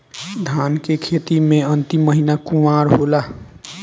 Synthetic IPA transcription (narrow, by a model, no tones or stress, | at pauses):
d̪ʱaːnkekʰet̪imẽənt̪imːəɦinakumaːɾɦola